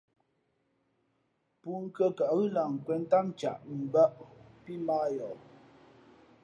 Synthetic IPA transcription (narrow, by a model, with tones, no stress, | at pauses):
pu˨˦ŋ̩˦kə˦ka˨ɣɯ˦la˨ŋ̩˨kwɛ˨n˦ta˦mt͡ʃa˨ʔm̩˨ba˦ʔpi˦maː˦jɔ˨